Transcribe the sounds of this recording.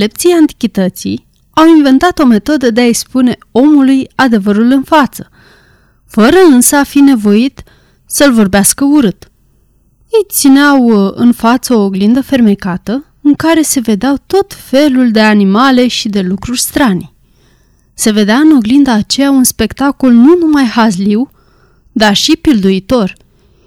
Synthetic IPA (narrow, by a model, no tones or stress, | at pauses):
le̞p̚t̪sijant̪i̥kʲit̪ət̪sḭj | awinve̞nt̪at̪o̞me̞t̪o̞d̪əd̪e̞aekspune̞o̞mulujad̪e̞vəɾulɨnfat̪sə̥ | fəɾəɨnsəafine̞vo̞it̪ | səlvo̞rbeaskəuɾɨt̪ | jejt̪sineawɨ̰nfat̪səoɡlind̪əfe̞rme̞kat̪ə | ɨŋkaɾe̞se̞ve̞d̪eawt̪o̞t̪fe̞luld̪e̞animale̞ʃid̪e̞lukɾurʲst̪ɾanʲ | se̞ve̞d̪eaɨno̞ɡlind̪aːt͡ʃe̞jaunspe̞kt̪ako̞lnunumajhazliw | d̪arʃipild̪uit̪o̞rʲ